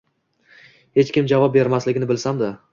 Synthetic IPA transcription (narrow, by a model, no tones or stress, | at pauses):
he̞t͡ʃkʲɪmd͡ʒavɒp̚be̞ɾmaslɪɡʲɪnɪbɪlsamd̪ɪ